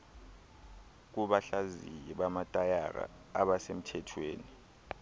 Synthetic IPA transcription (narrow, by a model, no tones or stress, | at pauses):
k̬uɓaɬazijɛɓamatʼajaɣa̰ | aɓasem̩tʰɛtʰweːni